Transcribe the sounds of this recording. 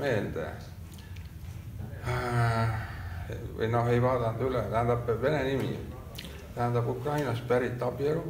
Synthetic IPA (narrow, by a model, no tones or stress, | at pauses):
me̞ːld̪̥ḛ | ɯ̰jno̞he̞jvɑːd̪ɑnd̪ylet̪æhæ̃nd̪̥ɑbve̞nenimḭ | t̪æhænd̪ɑbukrɑjnɑspæɾit̪ːˑɑpieɾu